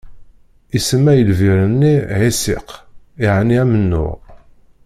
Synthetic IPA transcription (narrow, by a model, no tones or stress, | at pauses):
isəmːæjəlviɾənːiʕisɪ̰q | ɪʕniæmənːʊ̰ʁ